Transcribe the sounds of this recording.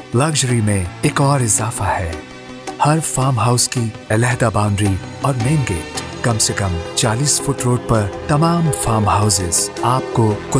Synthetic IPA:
lɐɡʒɾimẽeːkɔːɾɪzaːfahɛː | hɐɾfaːmɦaːʊski | ɪlɛɦd̪abãːʊ̃nɖɾiɔːɾmeːnɡeːʈkɐmsekɐ̃mt͡ʃaːliːsfʊʈɾoːɖ̚pɐɾt̪ɐmaːmfaːmɦaːʊzɪz̥aːp̚kokʊ

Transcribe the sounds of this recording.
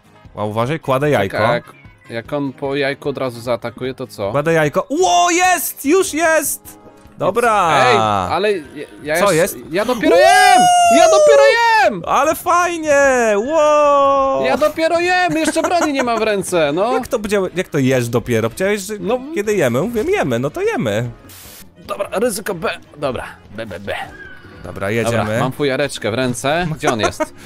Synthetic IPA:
wa̰uvaʐajkwad̪ɛja̰jkɔ̰ak | jakɔnpɔjajkuɔd̪ɾazuzaːt̪akujɛt̪ɔt̪sɔ̰wad̪ajajkɔwɔjɛst̪juʂjɛst̪ | d̪ɔbɾaɛjalɛjjasɔjɛst̪jad̪ɔpʲjɛɾɔjɛmjad̪ɔpʲjɛɾɔjɛmalɛfajɲɛwɔ | jad̪ɔpʲjɛɾɔjɛmjɛʂt͡ʂɛbɾaɲɲiɲɛmamvɾɛnt̪sɛnɔjakt̪ɔbd͡ʑawɛjak̚t̪ɔjɛʂd̪ɔpʲjɛɾɔbd͡ʑawɛɕʐɛnɔjɛd̪ɘjɛmɘmuvʲjɛmjɛmɘnɔt̪ɔjɛmɘ | d̪̥ɔbɾaɾɘzɘkɔbɛ | d̪ɔbɾa̰ | bɛbɛbɛ | d̪̥ɔ̰bɾa̰jɛd͡ʑɛa̰mɘmamt̪fɔjaɾɛt͡ʂkɛvɾɛnt̪sɛɡd͡ʑɛɔnjɛ̰st̪

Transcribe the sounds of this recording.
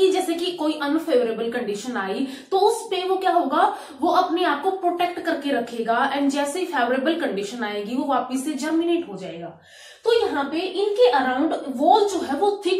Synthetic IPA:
kid͡ʒɛːsekikoːiːʔənfʰeːʋəɾeːbəlkəɳɖɪʃənaːiː | t̪oːʊspeʋoːkjaːɦoːɡaː | ʋoːʔəpneaːp̚kopɾoːʈɛːk̚ʈkəɾkeɾəkʰːeːɡaːʔɛ̃ːɳɖd͡ʒɛːseipʰeːʋɾeːbəlkəɳɖɪʃənaːeːɡiʋoːʋaːpəsed͡ʒɛːmɪneːʈɦoːd͡ʒaːḛːɡaː | t̪oːjɐɦãːpeʔɪnkeʔəɾãːʊ̃ɳɖʋoːld͡ʒoːɦɛːʋot̪ʰɪk

